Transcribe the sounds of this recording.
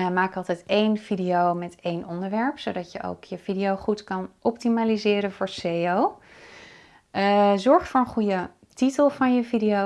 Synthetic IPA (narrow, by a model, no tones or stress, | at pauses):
maːkɑlˠtɛjtejnv̥idiowmɛtejnʔɔndəɹʋɛɹpsowdɑtjəʔo̰wkʰjəvidiowχutkɑnʔɔp̚timaːlizɪːɾənvʊːɹseow | zɔɹχtfoːɹənχujə | titəlˠvɑnjəvidijo